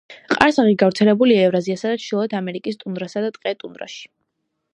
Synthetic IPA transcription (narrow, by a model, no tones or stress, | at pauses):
qʼaɾsaʁiɡavɾt̪sʰɛlɛbuliaɛvɾaziasad̪at͡ʃʰd̪ilˠɔɛt̪ʰamɛɾikʼist̪ʼund̪ɾasad̪at̪ʼqʼɛt̪ʼund̪ɾa̰ʃi̥